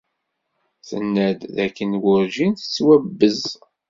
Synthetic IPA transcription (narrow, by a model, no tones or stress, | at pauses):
θə̰nːæd̪ðækːənwʊɾʒinθə̥t͡sːwæbːəz